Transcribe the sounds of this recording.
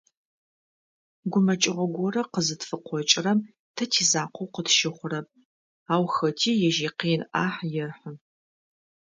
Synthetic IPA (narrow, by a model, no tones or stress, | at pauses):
ɡʷʊmɐt͡ʃʼɪʁʷɔɡʷɔrɐqəzɨtfɨqʷʰɔt͡ʃʼɪrɐm | tʰɐtʰiːzaːqʷowqətʃɪχʷʊɾɐp̚ | aːwxɐtʰiːjɛʒiːqiːnʔa̰ːħjɛrħə